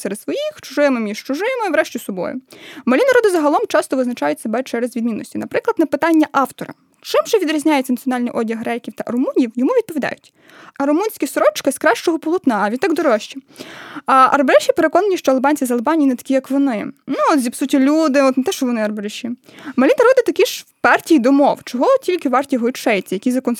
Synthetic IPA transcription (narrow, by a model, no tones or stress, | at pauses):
sɛɾɛt̪sʋɔjixt͡ʃʊ̥ʒɪmɪmʲiʃt͡ʃʊʒɪmɪʋɾɛʃtʲisɔbɔ̰jʊ̰mɐlʲinɐɾɔd̪ɪzɐɦɐlˠɔmt͡ʃɑst̪ɔʋɪznɐt͡ʃɑjʊtʲsebɛt͡ʃɛɾezʋʲid̪minːɔ̰sʲtʲinɐpɾɪklˠɐd̪nɐpɪt̪ɑnʲːɐʔɑwt̪ɔɾɐ̰ | t͡ʃɪmʒɛʋʲid̪ɾʲizʲnʲajɛt͡sʲɐnɐt̪sʲjɔnɑlʲnijʔɔdʲɐɦɾɛkʲiwt̪ɐʔɐɾɔmunʲiwjɔmuʋʲid̪̚pɔʋʲid̪ɑ̰jʊtʲ | ɐɾɔmunʲsʲkʲisɾɔt͡ʃkɪskɾɑʃt͡ʃɔɦɔpɔlˠʊt̪nɑɐʋʲid̪ɑɡd̪ɔɾɔʃt͡ʃi | ʔɐ̰rbeɾɛʃʲipeɾekɔnɐnʲiʃt͡ʃɔɐlˠbɑnʲt͡sʲizɐlˠebɑnʲijinɛt̪ɐ̥kʲijɐkʋɔnɪnuɔt̪zʲipsutʲilʲud̪ɪɔt̪net̪ɛʃt͡ʃɔʋɔnɪɐrbeɾeʃʲimɐlʲinɐɾɔd̪ɪt̪ɐkʲiʃpɑrtʲijd̪ɔmɔwt͡ʃɔɦɔtʲilʲkɪʋɑrtʲijɦɔt͡ʃɛjɪt͡sʲːɐjɐkizɐkɔn